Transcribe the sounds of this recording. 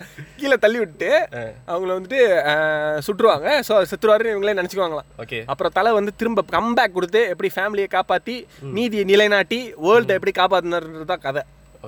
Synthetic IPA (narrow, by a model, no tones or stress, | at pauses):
kiːlɐt̪ɐlːɪʋɪʈːɯʈːɯɐʋɐŋɡɐɭʋɐnd̪ɯʈːɯ | sʊʈːɾɯʋaːŋɡɐsoːsɛt̪ːɯɾɯʋaːɾ̃ɪʋɐŋɡɐɭeːnɛnɛt͡ʃːɪkːɐʋaːŋɡɐlãːokeɐpːɯɾõt̪ɐlɐʋɐnd̪ɯt̪ɪɾɯmbɐkɐmbaːkːɔɽɯt̪̬ːɯɛpːɐɽifaːmɪlɪjɐkaːpaːt̪ːiniːðɪjɐnɪlɐɪnaːʈːiʋoːlʈ̪ɐɛpːɐɽikaːp̬aːt̪̬ːɯnɐɾɯnɾɐt̪ãːkɐðɛ